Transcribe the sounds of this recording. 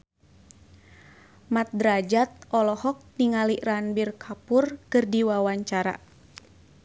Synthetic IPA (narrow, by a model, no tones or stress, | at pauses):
mat̪̚dɾad͡ʒat̪̚ɔlɔhɔk̚niŋaliʔranbirkʰapurkɨrdiwawaɲt͡ʃaɾa̰